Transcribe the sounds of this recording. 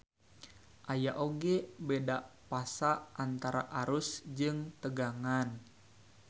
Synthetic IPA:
ʔajaʔoɡebedaʔpasaʔant̪aɾa̰ʔaɾʊsd͡ʒɨŋt̪əɡaŋan

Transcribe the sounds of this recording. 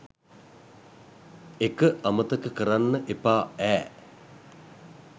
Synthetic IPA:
ekəʔamət̪əkəkəɾanːəʔepaːæː

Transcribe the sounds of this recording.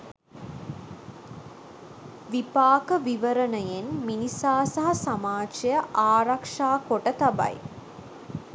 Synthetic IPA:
ʋipaːkəʋiʋəɾənəjenminisaːsaɦɐsamaːt͡ʃɐjəʔaːɾakʂaːkoʈət̪aba̰j

